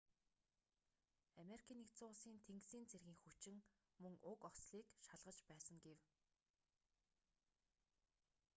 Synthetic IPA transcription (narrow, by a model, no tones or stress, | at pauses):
ameɾikʲʰiːnːekt͡sʊːʁəɮsiːnt̪ʰeŋksiːnt͡serɣiːŋxut͡ɕɪ̆ŋ | mɵŋʊkɔsɮiːkʃaɮʁə̆t͡ɕpæːsə̆ŋɡew